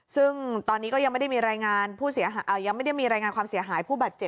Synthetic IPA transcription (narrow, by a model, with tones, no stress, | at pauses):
sɯ˥˩ŋt̪ɔː˧nːiː˦˥kɔ˥˩ja˧ŋma˥˩da˥˩jmiː˧ɾaː˧jŋaː˧npʰuː˥˩si˨˩˦ɐɦa˦ʔaː˧˩ja˧ŋma˥˩jda˥˩jmiː˧ɾaː˧jŋaː˧nkʰwaː˧msi˨˩˦ɐɦaː˩˦jpʰuː˥˩baː˨˩t̪̚t͡ɕe˨˩p̚